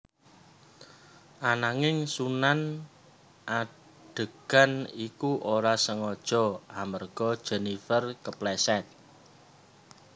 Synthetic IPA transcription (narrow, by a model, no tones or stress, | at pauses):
ʔanaŋɪŋsunan | ʔa | ɖ̥ə̤ɡ̥a̤nikuʔoɾasəŋɔd̥ʒ̥ɔ̤amərɡ̥ɔ̤d̥ʒ̥ɛ̤nifərkəplɛsɛt̪̚